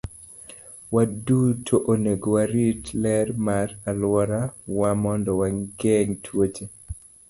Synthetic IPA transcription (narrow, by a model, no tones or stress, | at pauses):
wadutʰoʔoneɡowaɾitlɛrmaɾalwɔɾawamɔndɔwaŋɡeŋtʰwot͡ʃe